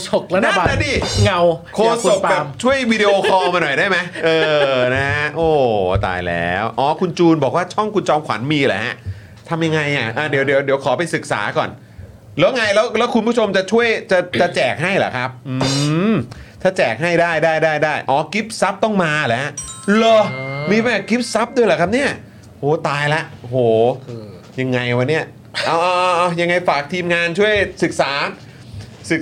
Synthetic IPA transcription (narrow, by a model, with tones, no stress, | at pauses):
so˨˩k̚la˦˥a˧˥˨na˧˥diː˧˩ŋa˧wkʰoː˧so˨˩kka˨˧˩mt͡ɕʰu˥˩əjwiː˧de˧ʔoː˧kʰɔː˧ma˧nɔ˨˩jdaː˥˩jma˦˥jʔɤː˧na˦˥ʔoː˧˩t̪a̰ː˨˩jlɛ̰ː˦˥wʔɔː˨˩kʰu˧nt͡ɕuː˧nbɔː˨˩k̚waː˥˩t͡ɕʰɔ˥˩ŋkʰu˧nt͡ɕɔː˧mkʰwa̰˩˦nmiː˧lɛ̰˨˩˦ɦa˦˥ | t̪ʰa˧mja˧ŋa˧jʔa˨˩ʔaː˧˩di˩˦wdi˩˦wdi˩˦wkʰɔː˩˦pa˧jsɯ˨˩k̚sa̰ː˩˦kɔ̰ː˨˩n | lɛː˦˥wŋa˧jlɛː˦˥wlɛː˦˥wkʰu˧npʰu˥˩t͡ɕʰo˧mt͡ɕa˨˩t͡ɕʰu˥˩əjt͡ɕa˨˩t͡ɕa˨˩t͡ɕɛː˨˩k̚ɦa˥˩jla̰˨˩kʰa˦˥p̚ʔɯɯː˧ | t̪ʰaː˥˩t͡ɕɛː˨˩k̚ɦa˥˩jdaː˥˩jdaː˥˩jdaː˥˩jdaː˥˩jʔɔː˨˩˦ki˦˥p̚sa˦˥p̚t̪ɔ˥˩ŋmaː˧˨lɛ˨˦˥lɤ˧miː˧mɛː˧˩ki˦˥p̚sa˦˥p̚d̪u˥˩jlɛ˨˩kʰa˦˥p̚ni˥˩ɐ | hoː˨˩t̪aː˧jlɛ˦˥ʔo˧hoː˨˩ | ja˧ŋːa˧jwa˧nːi˥˩ɐ | ʔaː˧˩ʔɔː˧ʔʔːja˧ŋːa˧jfaː˨˩k̚t̪ʰiː˧mŋaː˧nt͡ɕʰu˥˩əjsɯ˨˩k̚saː˩˦ | sɯ˨˩k̚